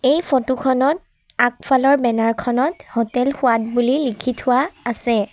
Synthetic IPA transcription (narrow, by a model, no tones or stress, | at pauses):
ejpʰɔtukʰɔnɔt̚ | ak̚pʰalɔɹbɛnaɹkʰɔnɔthɔtɛlxʊwat̚bulilikʰitʰʊwaːsɛ